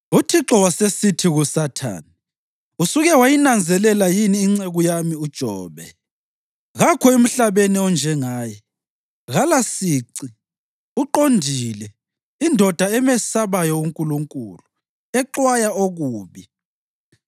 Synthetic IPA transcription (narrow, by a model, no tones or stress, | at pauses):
utʰiǁɔwasesitʰiɣusatʰa̰ːni | usuɣɛwajinand͡zʱɛlɛlajiniːŋ͡ǀeɣujamiud̥ʒ̥ʱɔ̰ːβɛ | ɣakʰɔem̩ɬaβeniɔnd͡ʒʱɛŋaːjɛ | ɣalasiǀi | uǃondʱilɛ | indʱɔd̥ʱaɛmɛsaβajɔuŋkʼuluŋkʼṵlu | ɛǃwajaoɣuːβi